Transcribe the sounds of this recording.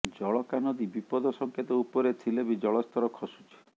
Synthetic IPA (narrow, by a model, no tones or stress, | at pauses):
d͡ʒɔɭɔkanɔd̪ibipɔd̪ʱɔsɔŋkʰjet̪ɔupɔɾet̪ʰilebid͡ʒɔɭɔst̪ʰɔɾɔkʰɔsu̥t͡ʃʰi̥